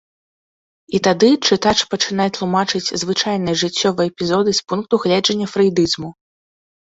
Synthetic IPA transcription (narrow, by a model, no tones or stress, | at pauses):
it̪ad̪ɨt͡ʂɨt̪at͡ʂpɐt͡ʂɨnajɛt̪lˠumat͡ʂɨt͡sʲzvɨt͡ʂajnɐjɛʐɨt͡sʲːɔvɐɛpʲizɔd̪ɨspunk̚t̪uɣlʲɛd͡ʐɐnʲːɐfɾɐjd̪ɨzmu